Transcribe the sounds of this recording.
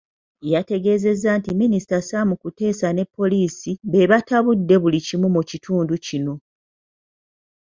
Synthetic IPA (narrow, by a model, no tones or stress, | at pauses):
jate̞ɡe̞ːze̞zantiminisi̥tasamukute̞ːsane̞pːo̞liːsiβe̞βataβudːe̞βulicimumucitʰuːnducino̞